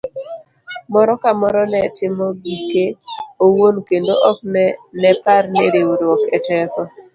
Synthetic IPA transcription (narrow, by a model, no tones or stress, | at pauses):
mɔɾɔkamɔɾɔnɛtɪmɔbikeowonkendoʔɔk̚nɛnɛparneɾewɾwɔkɛtɛkɔ